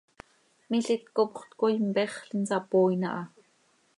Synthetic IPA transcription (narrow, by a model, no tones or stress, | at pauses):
miɬit̪̚kopχt̪kojmpɛχɬinsɑpoːjnɑ̰ʔɑ